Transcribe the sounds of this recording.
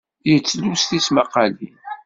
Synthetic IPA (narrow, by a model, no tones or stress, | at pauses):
jət͡sːlusθismaqːɑlḭn